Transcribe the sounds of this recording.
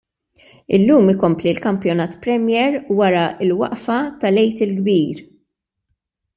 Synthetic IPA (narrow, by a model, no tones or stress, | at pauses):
ɪ̰lːuːmɪkɔmplilkɐmpjɔnɐːt̪pɾɛmjɛːɾwɐɾɐɪlwɐ̰ʔfɐt̪ɐlɛjt̪ɪlɡbiːɾ